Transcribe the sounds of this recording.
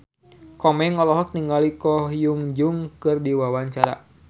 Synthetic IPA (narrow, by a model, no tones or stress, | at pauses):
kɔmɛŋɔlɔɦɔk̚niŋɡalikɔhjuŋd͡ʒuŋkɨrdiwawaɲt͡ʃaɾa̰